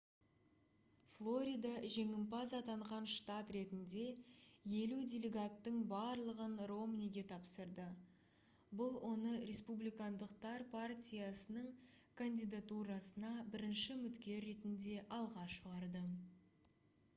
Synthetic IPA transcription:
flˠo̞ɾʲijd̪ɑʒe̞ŋɪmpɑzɑt̪ɑɴʁɑnʃt̪ɑt̪re̞t̪ɪnd̪e̞je̞lud̪ʲelʲe̞ɡat̪ːəɴbɑɾlˠəʁənro̞mnʲiɡʲe̞t̪ʰɑpsəɾd̪ə | bʊlˠwʔo̞nəɾʲe̞spublijkand̪əq̚t̪ɑɾpʰartʲijasənəɴ | kʰand̪ʲijd̪at̪uɾɑsənɑbɪɾɪnʃɪmʏt̪kʲe̞ɾːe̞t̪ɪnd̪e̞ʔɑlˠʁɑʃəʁɑɾd̪ə

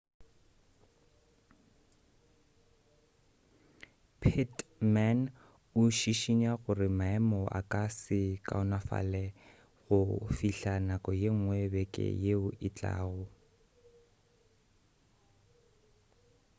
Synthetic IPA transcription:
pʰitman | ʊʃiʃiɲaɣʊrɪmaɛmɔʔa̰kʼasɪkʼaʊnafa̰lɛ | ɣʊfiɬanakʼɔjeŋ̩ŋwɛbɛkʼɛ̰jeʊʔɪt͡ɬʼa̰ːɣʊ

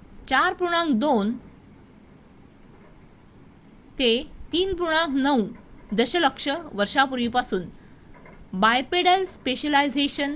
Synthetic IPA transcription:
t͡ɕaɾpuɾuɽ̃ãŋkd̪on | t̪et̪iːnpuɾuɽ̃ãŋknəwud̪əɕələkʂəʋəɾʂapuɾʋipasuːn | bajpeɽəlspeɕəlajd͡zeɕən

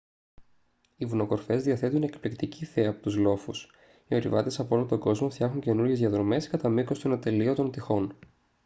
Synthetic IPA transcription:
ivuno̞ko̞ɾfe̞zðiɐθe̞t̪une̞kplikt̪iciθeɐːpo̞t̪uzlo̞fus | io̞ɾḭvɐ̰t̪e̞sɐpoolont̪o̞ɡo̞zmo̞ft̪çɐxuɲce̞nuɾʝe̞zðiɐðɾo̞me̞skɐt̪ɐmiko̞st̪onot̪elio̞t̪o̞nt̪ixo̞n

